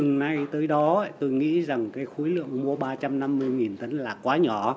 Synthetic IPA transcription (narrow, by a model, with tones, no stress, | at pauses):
ɨ˨˩ŋna˧jt̪əː˨˦jɗɔ˨˦˨t̪o˧jŋḭ˧˥za˨˩ŋkaː˨˦jxo˨˦jlɨ̰˧˨əŋmu˧əɓaː˧t͡ɕa˧mna˧mːɨ˧əjŋi˨˩nt̪ə˨˦nlaː˨˩kwaː˨˦ɲɔ˧˩˨